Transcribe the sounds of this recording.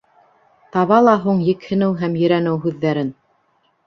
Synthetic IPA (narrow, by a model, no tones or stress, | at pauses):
t̪ɑβɑlˠɑɦuɴjɘ̆khɘ̆nɘwɦæmjɵ̆ɾænɘwɦʉðːæɾɘn